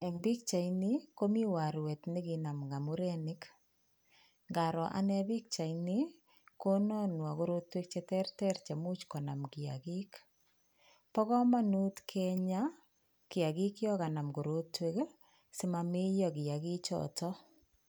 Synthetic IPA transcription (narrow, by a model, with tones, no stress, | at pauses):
ɛ˨ŋbi˦kt͡ʃa˨i˦nɪ˦ko˦mi˦wa˨ɾwɛ˨tnɪ˦ɡi˨na˨mɡa˨mu˦ɾɛ˦nɪ˦k | ŋɡa˨ɾɔ˨ʔa̰˨nɛ˦bi˦k̚t͡ʃa˨inɪ˦ | ko˦nɔ˦nwa˨ɡo˦ɾo˦twe˦k̚t͡ʃɛ˦tɛ˦ɾtɛ˦ɾt͡ʃɛ˨mu˦t͡ʃkɔ˨na˨mɡɪ˨a̰˨ɡɪ˦k | pɔ˦kɔ˦ma˦nu˦tkʰɛ˦ɲa˦ | kɪ˨a˨ɡɪ˦kjɔ˦ka˨na˨mɡo˨ɾo˦twe˦k | sɪ˦ma˨me˦jɔ˦ɡɪ˨a˨ɡɪ˦t͡ʃɔ̰tɔ˦